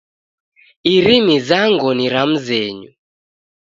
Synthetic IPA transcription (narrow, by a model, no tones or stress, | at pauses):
iɾimizaŋɡɔniɾam̩zɛːɲu